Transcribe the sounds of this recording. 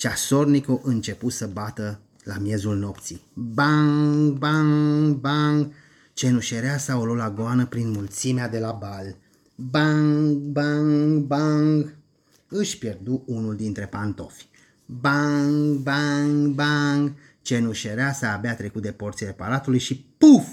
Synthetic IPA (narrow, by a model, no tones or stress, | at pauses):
t͡ʃaso̞rnikoʔɨnt͡ʃe̞pusəbat̪ə | lamje̞zulno̞p̚t̪sibaŋɡbaŋbaŋɡ | t͡ʃe̞nuʃeɾeasaololaɡoanəpɾinmult̪simead̪e̞labal | baŋɡbaŋɡbaŋɡ | ɨʃpje̞rd̪uunuld̪int̪ɾe̞pant̪o̞f | baŋɡbaŋɡbaŋɡ | t͡ʃe̞nuʃeɾeasəabeat̪ɾe̞kut̪̚d̪e̞po̞rt̪sile̞paɾat̪ulujʃipuf